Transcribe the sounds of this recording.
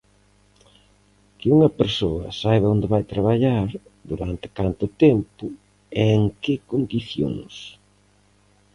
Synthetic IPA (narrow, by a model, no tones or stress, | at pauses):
kɪuŋɐpeɾsoɐsajβeond̪ɪβajt̪ɾaβaʎaɾd̪uɾant̪ɪ̥kant̪ɪʊt̪ɛmpʊ | ɛeŋkɪkond̪iθjo̰ŋs